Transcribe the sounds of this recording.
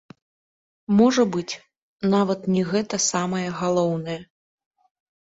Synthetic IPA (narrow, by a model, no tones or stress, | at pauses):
mɔʐɐbɨt͡sʲ | navɐt̪nʲɛɣɛt̪ɐsamɐjɐɣalˠɔwnɐjɛ